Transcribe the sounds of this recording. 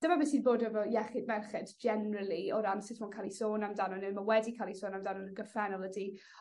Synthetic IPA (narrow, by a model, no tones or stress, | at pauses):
d̥əmabɛsiːnboːdəvɔjɛχɪdmɛrχɛdd͡ʒɛnɹəlˠiɔɾansɪtʰmɔnkʰalˠisoːnamdanɔnənmawɛdikʰalˠisoːnamdanɔnəɡəfɛnɔlˠədiː